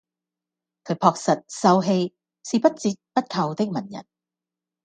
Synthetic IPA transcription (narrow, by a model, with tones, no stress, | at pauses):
kʰɵ˨˥ɥpʰɔː˨˧k̚sɐ˨t̚sɐ˧wɦe˧j | siː˨pɐ˥t̚t͡siː˧t̚pɐ˥t̚kʰɐ˨wt̪ɪ˥k̚mɐ˨˩njɐ̰˨˩n